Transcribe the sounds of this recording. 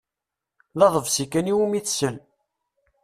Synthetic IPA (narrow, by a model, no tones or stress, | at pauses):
ðɑðˤəvsikæniwumiθsəl